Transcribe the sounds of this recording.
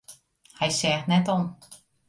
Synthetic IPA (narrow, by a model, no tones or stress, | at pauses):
hɛjsɛːxnɛtɔn